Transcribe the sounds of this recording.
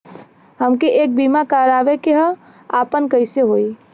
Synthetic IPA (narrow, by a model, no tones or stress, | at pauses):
həmkeʔeːk̚bimakaːɾaːʋekeɦə | aːpənkəɪseɦoːi